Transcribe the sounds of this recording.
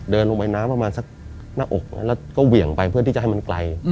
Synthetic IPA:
dɤː˧nlo˧ŋpa˧jnaː˦˥mpɾa˧maː˧nsa˨˩k̚ | naː˥˩ʔo˨˩k̚na̰˦˥lɛː˦˥˩wkɔː˥˩wi˨˩əŋpa˧jpʰɯ˥˩t̪ʰiː˥˩a˨˩ɦa˥˩ma˧nkla˧j

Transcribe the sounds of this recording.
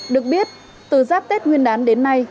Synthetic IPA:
ɗɨ˨˩ək̚ɓi˦˥ət̚ | t̪ɨ˧˩zaː˦˥p̚t̪e˦˥t̚ŋi˧ənɗaː˨˦nɗe˨˦nːa˧j

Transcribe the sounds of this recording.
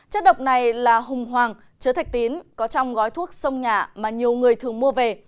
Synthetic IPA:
t͡ɕə˦˥t̚ɗə˨˩wk͡p̚na˨˩jlaː˨˩ɦʊ˨˩ŋ͡mɦwaː˨˩ŋ | t͡ɕəː˨˦t̪ʰa˨˩jk̚t̪i˨˦nkɔ˨˦t͡ɕɔ˧wŋ͡mɣɔ˨˦jt̪ʰu˦˥ək̚sə˧wŋ͡mɲaː˨˩maː˨˩ɲi˨˩əwŋɨ˨˩əjt̪ʰɨ˨˩əŋmu˧əve˨˩

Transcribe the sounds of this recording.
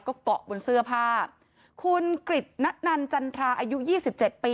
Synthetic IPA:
kɔː˥˩kɔ˨˩ʔbo˧nsɯ˥˩ɐpʰaː˥˩ | kʰu˧nkɾi˨˩t̪̚na˦˥t̪̚na˧nt͡ɕa˧nt̪ʰɾaː˧ʔaː˧ju˦˥jiː˥˩si˨˩p̚t͡ɕe˨˩t̪̚piː˧

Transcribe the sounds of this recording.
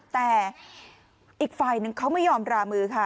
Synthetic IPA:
t̪ɛː˨˩ | ʔiː˨˩k̚faː˧˩jnɯ˨ŋkʰa˦˥wma˥˩jɔː˧mɾaː˧mɯː˧kʰa˥˩

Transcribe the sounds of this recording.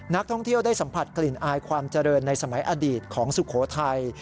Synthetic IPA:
na˦˥k̚t̪ʰɔ˥˩ŋt̪ʰi˥˩əwdaː˥˩jsa˩˦mpʰa˨˩t̪̚kli˨˩nʔaː˧jkʰwaː˧mt͡ɕa˧ɾɤː˧nːa˧jsa˧ma˩˦jʔaː˧diː˨˩t̪̚kʰɔː˩˦ŋsu˨˩kʰoː˩˦t̪ʰa˧j

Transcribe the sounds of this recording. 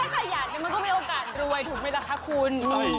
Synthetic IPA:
aː˥˩aː˧˩jaː˨˩k̚ni˨˧˦m˧nkɔː˥˩miː˧ʔoː˧kaː˨˩t̪̚ɾu˧əjt̪ʰuː˨˩k̚ma˥˩la˦˥kʰːa˦˥kʰuː˧nmɔ˨˧˦n

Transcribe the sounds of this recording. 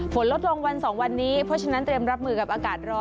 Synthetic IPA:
pʰo˩˦nlo˦˥t̪̚lo˧ŋwa˧nsɔː˩˦ŋwa˧nːiː˦˥pʰɔ˦˥k̚t͡ɕʰa˦˥na˦˥nt̪ɾi˧əmɾa˦˥p̚mɯː˧ka˨˩p̚ʔaː˧kaː˨˩t̪̚ɾɔː˧˩

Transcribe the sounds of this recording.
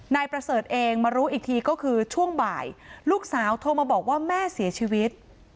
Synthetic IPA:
naː˧jpɾa˧sɤː˨˩t̪̚ʔeː˧ŋmaː˧ɾuː˦˥ʔiː˨˩k̚t̪ʰiː˧kɔː˥˩kʰɯː˧t͡ɕʰu˥˩əŋba̰ː˨˩jluː˥˩k̚saː˩˦wt̪ʰo˧maː˧bɔː˨˩k̚waː˥˩mɛː˥˩si˩˦ɐt͡ɕʰiː˧wi˦˥t̪̚

